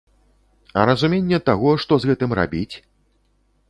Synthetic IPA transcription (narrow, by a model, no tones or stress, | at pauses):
ɐ̰ɾɐzumʲenʲːɛt̪aɣɔʂt̪ɔzɣɛt̪ɨmra̰bʲit͡sʲ